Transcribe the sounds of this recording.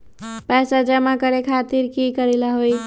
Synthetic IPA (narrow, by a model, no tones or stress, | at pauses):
pɛsad͡ʒəmakəɾekʰat̪iɾkikəɾilaɦoj